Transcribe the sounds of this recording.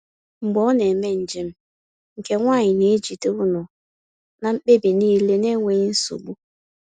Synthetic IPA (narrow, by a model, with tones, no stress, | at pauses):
ŋ͡m̩˨ɡ͡bɔ˨˦ne˨me˦n̩˨d͡ʒi˦m̩˦ | ŋ̩˨ke˦ŋʷaː˦˨ɲɪ˨ne˨˦e˦d͡ʒi˨te˦ʊ˦nʊ˨ | na˨m̩˦k͡pe˦bi˨niː˦le˦ne˦ŋʷe˨˦n̩˦sṵ˨ɡ͡bu˦